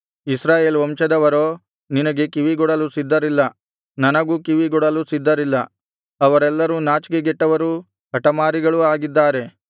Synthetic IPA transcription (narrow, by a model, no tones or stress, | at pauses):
isɾaːjeːlʋɐmʃɐd̪ɐʋɐɾoː | ninɐɡe̞kiʋiɡɔɽɐlusid̪ːɐɾilːɐ | nɐnɐɡuːkiʋiɡɔɽɐlusid̪ːɐɾilːɐ | ɐʋɐɾɛlːɐɾunaːt͡ʃɡeɡɛʈːɐʋɐɾu | ɦɐʈɐmaːɾiɡɐɭuaːɡid̪ːaːɾe̞